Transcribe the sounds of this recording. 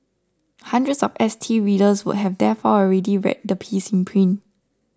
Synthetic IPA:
hãndɹətsɔfɛstʰiɹidəswṵt̚ɦɛvdɛfɔɔlɹɛdiɹɛ̰t̚dəpʰisĩnpʰɹĩn

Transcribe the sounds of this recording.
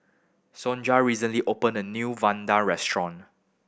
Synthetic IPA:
sɔ̃nd͡ʒaɹisə̃nliʔopə̃nənjuvãndaɹɛstɹɔ̃n

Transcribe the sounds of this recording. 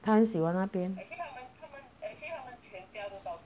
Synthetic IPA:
t̪ʰamənɕiwanapjɛnʰamənt̪ʰamənʰamənt͡ɕʰɛnt͡ɕjat̪ut̪ɑʊ

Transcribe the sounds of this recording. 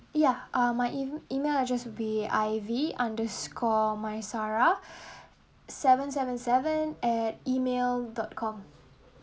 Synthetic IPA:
jaʔamaɪʔiimelad͡ʒaswbiajviãndəskʰɔmaɪsaɹa | sɛvə̃ns̬ɛvə̃nsɛvə̃nɛt̚imeldɔt̚kʰɔ̃m

